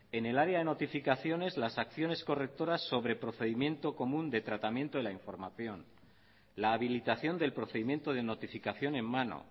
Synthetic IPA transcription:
e̞ne̞laɾeaðe̞no̞t̪ifikaθjo̞ne̞zlasakθjo̞ne̞sko̞re̞k̚t̪o̞ɾasːo̞βɾe̞pɾo̞θe̞ðimjẽ̞nt̪o̞ko̞mũnd̪e̞t̪ɾat̪amjent̪oelaiɱfo̞ɾmaθjo̞n | laːβilit̪aθjo̞nd̪e̞lpɾo̞θe̞ðimjẽ̞nt̪o̞ðeno̞t̪ifikaθjo̞ne̞mːano̰

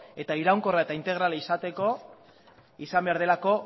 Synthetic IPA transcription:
e̞t̪aiɾawŋko̞raet̪aint̪e̞ɣ̞ɾalaisat̪e̞ko̞ | isambe̞aɾð̞e̞lako̞

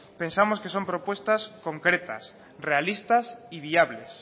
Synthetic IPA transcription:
pẽnsamoskesompɾopwest̪askoŋkɾet̪a̰s | realist̪asiβiaβles

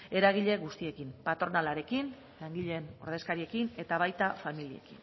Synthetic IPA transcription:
e̞ɾaɣ̞iʎe̞ɣust̪ie̞kimpat̪ɾonalaɾe̞kin | laŋɡiʎe̞no̞ɾð̞e̞skaɾie̞kine̞t̪aβajt̪afamilie̞̰kin

